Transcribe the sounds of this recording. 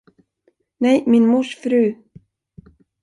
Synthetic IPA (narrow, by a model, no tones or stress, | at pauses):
neːjminmusfɾʉː